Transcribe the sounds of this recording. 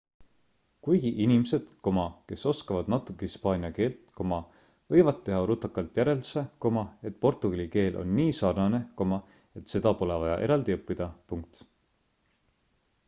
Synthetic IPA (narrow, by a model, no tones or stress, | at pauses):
kujɡ̥iʔinimse̞d̪̥ko̞mɑke̞so̞skɑvɑd̪̥nɑt̪ːˑukːˑehispɑːniɑke̞ːlt̪ko̞mɑ | vɤ̞jvɑd̪̚ːe̞ɦɑɾut̪ːˑɑkːɑlt̪ˑjæɾe̞ld̪u̥se̞ko̞mɑe̞t̪ːˑpo̞rt̪uɡ̥ɑlʲike̞ːlʔo̞̰nːiːsɑrnɑne̞ko̞mɑ | e̞t̪se̞d̪ɑpo̞le̞vɑjɑ̰ʔe̞ɾɑld̪iɤpːid̪̥ɑpuŋk̚t̪